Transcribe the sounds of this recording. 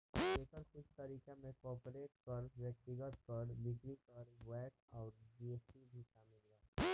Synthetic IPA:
eːkəɾkʊt͡ʃʰt̪əɾiːkẽmẽkɔːpɾeːʈkəɾʋeːk̚ʈ̪ɪɡəʈkəɾbɪkɽikəɾʋɛːʈɔːɾdesibʱiʃaːmɪlːaː

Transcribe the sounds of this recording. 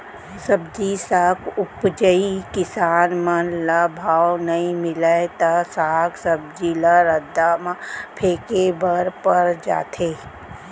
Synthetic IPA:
səbd͡ʒisaːkʊpd͡ʒəikɪsaːnmənlabʱaːwnɐĩmɪlət̪asaːksəb̚d͡ʒilaɾəd̪ːamãpʰeːkebəɾpɐɾd͡ʒa̰ːt̪ʰeː

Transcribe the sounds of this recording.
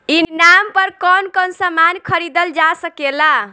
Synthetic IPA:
inampəɾkɔnkɔnsəmankʰəɾid̪əld͡ʒasəkela

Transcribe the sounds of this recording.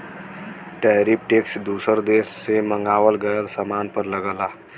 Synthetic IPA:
ʈɛːɾip̚ʈeːksd̪uːsəɾd̪eːsːemə̃ŋɡaːʋəlɡəjəlsamaːnpəɾləɡəlaː

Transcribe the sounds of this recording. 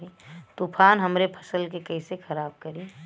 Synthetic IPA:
it̪upʰaːnɦəmɾepʰə̥səlkekɐisexɐɾaːb̚kəɾiː

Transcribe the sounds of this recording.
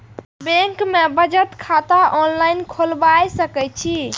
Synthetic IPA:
bẽŋkmebəd͡ʒət̪kʰat̪aʔɔnlajnkʰolbajsəkɛt͡ʃʰi

